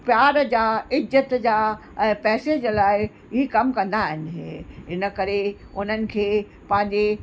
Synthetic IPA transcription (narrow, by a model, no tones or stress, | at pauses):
pjaːɾd͡ʑaːɪzət̪d͡ʑaː | ɛ̃ːpɛːsed͡ʑlaːɪ | ɪɦikɐmkɐ̃nd̪aːɦɪnɪɦɦɪnəkɐɾe | ʊn̤ənɪ̆kʰeː | pɐ̃ɦɪ̃ɲd͡ʑe